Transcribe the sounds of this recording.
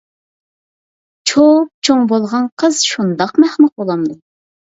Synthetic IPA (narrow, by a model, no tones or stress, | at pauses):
t͡ʃʰop̚t͡ʃʰoŋbolˠʁɑnqʰəz̥ʃund̪ɑqmæχmɨq̚bolˠɑmd̪u